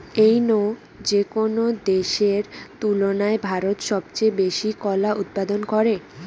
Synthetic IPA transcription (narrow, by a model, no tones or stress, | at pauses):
ejno | d͡ʑekonod̪eʃeɾt̪ulonaebʱaɾot̪ʃɔbt͡ɕejbeʃikɔlaʔut̪̚pad̪onkɔɾe